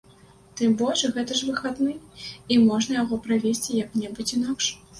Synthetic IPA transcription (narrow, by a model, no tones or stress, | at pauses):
t̪ɨmbɔʂɣɛt̪ɐʐvɨxad̪nɨimɔʐnɐjaɣɔpɾavʲesʲt͡sʲijɐknʲɛbɨt͡sʲinakʂ